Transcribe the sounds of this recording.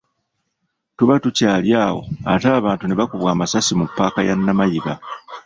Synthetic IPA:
tuβatucaːljaːwo̞̰a̰taːβaːntuneβakuβwaːmasasimupːaːkajanːamajiβa

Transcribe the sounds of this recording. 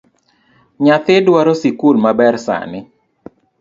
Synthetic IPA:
ɲat̪ɪdwaɾosikulmabɛrsa̰nɪ

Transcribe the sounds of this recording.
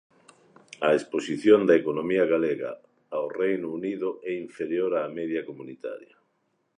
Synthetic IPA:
ɐesposiθjond̪ɐekonomiɐɣaleɣa̰ | aorejnouniðʊʔɛiɱfeɾjoɾaːmɛðjɐkomunit̪a̰ɾjɐ

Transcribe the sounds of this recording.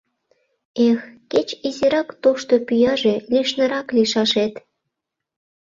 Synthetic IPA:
exket͡ɕiziɾɑkt̪oʃt̪opyjɑʒelʲiʃnə̆ɾɑkliʃɑʃet̪

